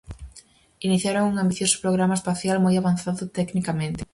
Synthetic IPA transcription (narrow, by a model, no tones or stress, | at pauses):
iniθjaɾoŋuŋambiθjosʊ̥pɾoɣ̞ɾamaespaθjalmojaβanθaðʊt̪ɛknikamẽnt̪ɪ̥